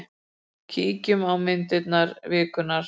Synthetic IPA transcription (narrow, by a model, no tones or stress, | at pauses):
cʰiːcʏmawmɪnt̪ɪt̪naɾvɪːkʏnːaɾ